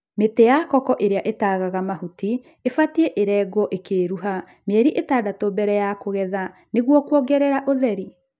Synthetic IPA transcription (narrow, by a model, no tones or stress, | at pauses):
metejakɔkɔʔeɾeaʔetaːɣaɣamahuti | efatieʔeɾɛːɡɔʔekeːɾuɦa | mɛɾiʔetaːdatobɛɾɛjakoɣɛða | neɣwɔkwɔɡɛɾeɾaʔoðɛɾi